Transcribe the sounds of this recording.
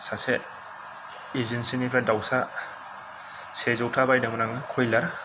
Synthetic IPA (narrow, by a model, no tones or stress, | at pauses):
sase | izinsinipʰɾadawsa | sezɔwtʰabajdaŋɔnaŋɯkʰɔjlaɾ